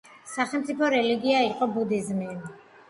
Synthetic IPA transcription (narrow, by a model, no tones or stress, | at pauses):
saχɛlmt̪sʼipʰɔɾɛliɡiaiqʼɔbud̪izmi